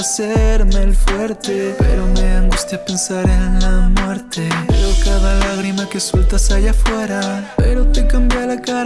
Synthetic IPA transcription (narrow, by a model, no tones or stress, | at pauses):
aseɾmelfwe̞ɾt̪e̞pe̞̰ɾo̞me̞ãŋɡust̪jape̞nsaɾenlamwe̞ɾt̪e̞eɾokaðalaɣɾimake̞swelt̪asaʝafwe̞ɾape̞ɾo̞t̪ekambjalaka